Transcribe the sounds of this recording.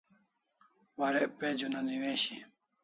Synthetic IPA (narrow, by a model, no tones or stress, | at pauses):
waɾeped͡ʑunaniweːɕi